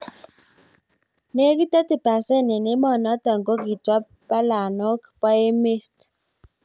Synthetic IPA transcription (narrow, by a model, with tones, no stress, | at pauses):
ne˦k̬i˦tɛ˦ti˨pa˨se˦˨nɛ˨ne˦mɔ˨nɔ˦ta˨ŋɡo˦ɡi˨twa˦p̚ | pa˦la˨nɔ˦kpa˦e˦me˦t